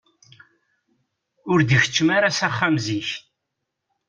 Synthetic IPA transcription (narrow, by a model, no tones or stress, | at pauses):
ʊɾd̪əçə̥t͡ʃːmaɾasaχːamziç